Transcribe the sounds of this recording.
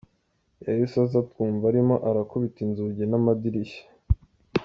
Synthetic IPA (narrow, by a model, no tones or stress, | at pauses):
jaɾisazatkuːɱvaɾimo̞ʔaɾakuβitinzuɟenamadiɾiʃḁ